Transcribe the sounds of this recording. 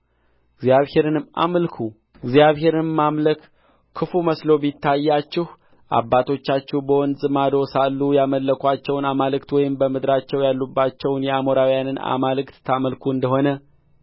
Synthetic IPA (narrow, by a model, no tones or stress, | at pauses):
ɪɡzjaβhe̞ɾɨnɨma̰məlkʰu | ɪɡzjaβhe̞ɾɨnmamlək | kʰːɨfuməslo̞bit̪ːajːat͡ʃːɪh | ʔa̰bːat̪ʰo̞t͡ʃːat͡ʃːɛhbəwɔnzʼɨmad̪osalːujaməlːəkʷat͡ʃːɛwnamalɨkt̪wɔjɪmbəmɨd̪ɾat͡ʃːɛwjalːubːat͡ʃːɛwnjɛamoɾawijanɨna̰malɨkt̪ːʰaməlkʰuɨnd̪əɦo̞nə